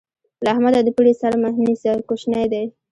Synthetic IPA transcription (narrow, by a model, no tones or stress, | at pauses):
lahmad̪ad̪əpəlesaɾmahnisakoʃnajd̪aj